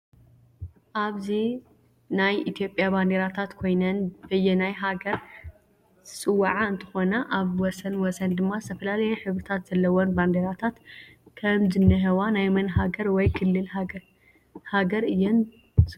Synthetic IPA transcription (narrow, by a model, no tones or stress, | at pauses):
ʔaβzi | najit̪ʰijo̞pʼjaband̪eɾat̪ʰat̪kʰo̞jnɐnbɨjːɛnajɦaɡɐɾ | sʼɨwːaʕaɨnt̪ʰɨ̥xo̞nɐʔaβwɔsɐnwɔsɐnd̪ɨmːazɨt̪ʰɐfɐlalɐjɛħɨβɾɨt̪ʰat̪z̥ɐlːɐwonband̪eɾat̪ʰat̪kʰɐmzɨnːɨɦɐwanajmɐnɦaɡɐɾwɔjkʰɨlːɨl | haɡɐɾɨjːɛn